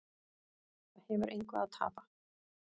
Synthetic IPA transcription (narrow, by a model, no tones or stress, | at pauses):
ahɛːvʏɾʔejŋkva̰ðaðt̪ʰa̰ːpa